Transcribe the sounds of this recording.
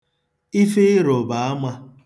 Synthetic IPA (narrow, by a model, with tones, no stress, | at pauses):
i˦fe˦ɾo˨ba˨a˦ma˦